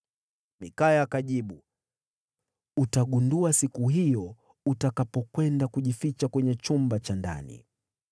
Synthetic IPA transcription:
mikajaːkaʄiɓu | utaɠunduasikuɦijɔ | utakapɔkwɛndakuʄifit͡ʃakwɛɲɛt͡ʃumbat͡ʃanda̰nḭ

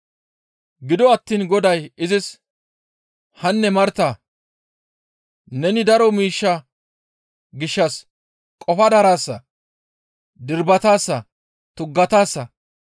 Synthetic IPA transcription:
ɡɪd̪ɔɐt̪ːiːnɡɔd̪ɐjɪzɪs | hɐnːɛmɐɾt̪a | nɛnɪd̪ɐɾɔmiːʃːɐ | ɡɪʃːɐs | kʼɔfɐd̪ɐɾaːsːɐ | d̪ɪɾbɐt̪aːsːɐ | t̪ʊɡːɐt̪aːsːɐ

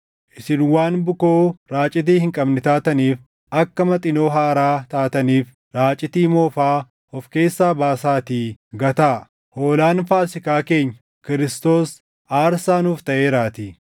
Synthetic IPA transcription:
ʔɪsɪnwaːnbʊkoːɾaːt͡ʃʼɪt̪̬iːhɪŋkʼɐbnɪt̪aːt̪ɐniːf | ʔɐkːɐmɐt̪ʼɪnoːɦaːɾaːt̪aːt̪ɐniːf | ɾaːt͡ʃʼɪt̪iːmoːfaː | ɔfke̞ːsːaːbaːsaːt̪iːɡɐt̪aː | hoːlaːnfaːsɪkaːke̞ːɲːɐ | kɪɾɪst̪o̞ːs | aːɾsaːnuːft̪ɐʔe̞ːɾaːt̪i

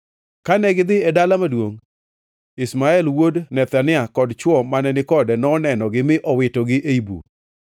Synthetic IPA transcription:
kanɛɡɪd̪ɪɛdalamadwoŋ | ɪsmaɛlwodnɛt̪anɪakɔdt͡ʃwɔmanɛnɪkɔdɛnɔnɛnɔɡɪmɪʔɔwɪtoɡɪʔeibṵ

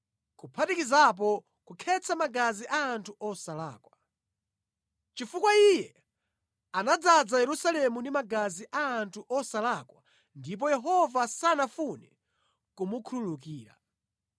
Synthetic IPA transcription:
kupʰatikizap̬ɔ | kukʰɛt͡sʰamaɡaziʔaːntʰuʔɔsala̰ːkwa | t͡ʃifukwaijɛ | anad͡zad͡zajɛɾusalɛmundimaɡaziʔaːntʰuʔɔsalakwa | ndip̬ɔjɛɦɔvasanafunɛ | kumukʰululukiːɾa̰

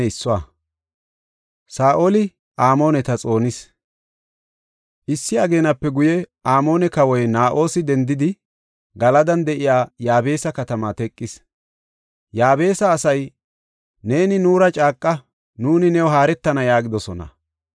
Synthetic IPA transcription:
ɪsːʊwa | saːʔolɪ | ʔaːmo̞ːnɛt̪ɐt͡sʼo̞ːnɪs | ʔɪsːɪɐɡe̞ːnɐpːɛɡʊjɛʔaːmo̞ːnɛkɐwɔjnaːʔo̞ːsɪd̪ɛnd̪ɪd̪ɪ | ɡɐlɐd̪ɐnd̪ɛʔɪjaːjaːbe̞ːsɐkɐt̪ɐmɐt̪ɛkʼːɪs | jaːbe̞ːsɐːsɐj | ne̞ːnɪnuːɾɐt͡ʃʼaːkʼːɐ | nuːnɪnɛwɔɦaːɾɛt̪ːɐnɐjaːɡɪd̪ɔsɔnɐ̰

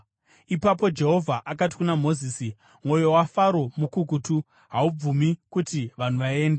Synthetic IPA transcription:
ipapo̞d͡ʒe̞ɦo̞vʱaʔakat̬i̥kunamo̞ziːsi | mwo̞jo̞wafaɾo̞mukukutu | ɦaub͡vumikutiʋan̤uʋae̞ːnde

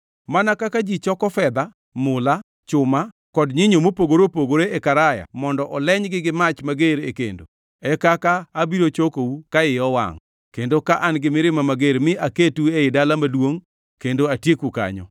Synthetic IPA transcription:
manakakad͡ʒit͡ʃɔkɔfɛd̪a | mʊla | t͡ʃʊma | kɔdɲɪɲomopoɡoɾopoɡoɾeekaɾaja̰mɔndɔʔɔlɛɲɡɪɡɪmat͡ʃmaɡeɾḛkḛndo̰ | ɛkakaːbiɾot͡ʃokoukaɪɔwa̰ŋ | kendokaʔanɡɪmɪɾɪmamaɡeɾmɪaketueɪdalamadwoŋ | kendoatjekuka̰ɲɔ̰

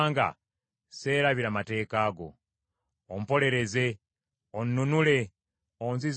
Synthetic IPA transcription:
ŋɡa̰ | se̞ːɾaβiɾamate̞ːkaːɡo̞̰ | om̩po̞le̞ɾe̞ze̞ | onːunule̞ | onziz

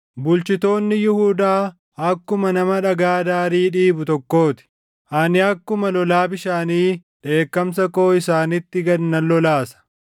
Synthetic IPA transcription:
bʊlt͡ʃɪt̪o̞ːnːɪjɪhuːd̪aː | ɐkːʊmɐnɐmɐᶑɐɡaːd̪aːɾiːᶑiːbʊt̪ɔkːo̞ːt̪ɪ̥ | ʔanɪɐkːʊmɐlɔlaːbɪʃaːniːᶑe̞ːkːɐmsɐko̞ːɪsaːnɪt̪ːɪɡɐnːɐlːɔlaːsɐ̥

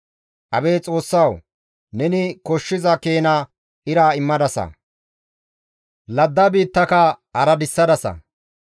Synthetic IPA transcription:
ʔɐbe̞ːt͡sʼo̞ːsːɐw | nɛnɪkɔʃːɪzɐkeːnɐ | ʔɪɾaːɪmːɐd̪ɐsɐ̰ | lɐd̪ːɐbiːt̪ːɐkɐɐɾɐd̪ɪsːɐd̪ɐsɐ̰

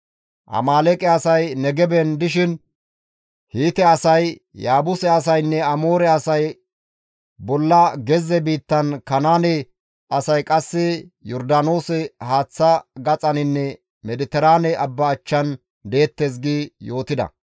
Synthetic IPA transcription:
ʔɐ̰maːlɛkʼɛɐsɐjnɛɡɛbɛnd̪ɪʃɪn | hiːt̪ɛɐsɐj | jaːbʊsɛɐs̬ɐjnːɛɐmo̞ːɾɛɐsɐj | bɔlːɐɡɛzɛbiːt̪ːɐnkɐnaːnɛ | ɐsɐjkʼɐsːɪjɔɾd̪ano̞ːsɛhaːt͡sːɐɡɐt͡sʼɐnɪnːɛ | mɛd̪ɪt̪ɛɾaːnɛɐbːɐːt͡ʃːɐn | d̪e̞ːt̪ːeːs̬ɡiːjo̞ːt̪ɪd̪ɐ̰

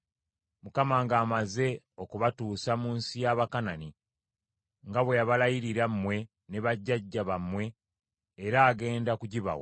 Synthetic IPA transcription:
mukamaŋɡaːmaze̞ | o̞kuβatuːsamuːnsijaβakanani | ŋɡaβwejaβalajiɾiɾammwe̞ | neβaɟːaɟːaβamwe̞ː | ɾaːɡe̞ːndakuɟiβa̰wo̰

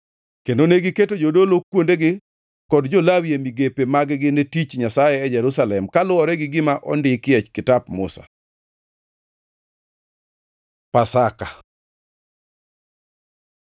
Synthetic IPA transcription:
kendoneɡɪketod͡ʒodolokwondeɡɪ | kɔdd͡ʒolawjemiɡepemaɡɡɪnetit͡ʃɲasajɛːd͡ʒɛɾusalɛmkalʊɔɾɛɡɪɡɪmaʔɔndɪkɪɛt͡ʃkɪtapmʊ̰sa̰ | pasaka

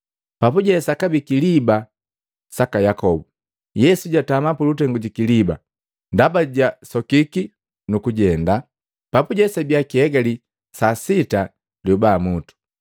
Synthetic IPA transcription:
papuɟɛsakabikiliba | sakajakɔbu | jɛsuɟatamapulut̬ɛŋɡuɟikiliba̰ | ndabaɟasɔkiki | nukuɟɛnda | papuɟɛsabjakihɛɡali | sasita | ljuubaːmutu̥

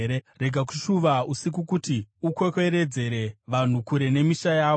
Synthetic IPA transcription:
ɾere̞ɡʱak̬u̥ʃuʋausik̬ukutiukwe̞kwe̞ɾe̞d͡ze̞ɾe̞ʋan̤ukuɾe̞ne̞miʃajaːo

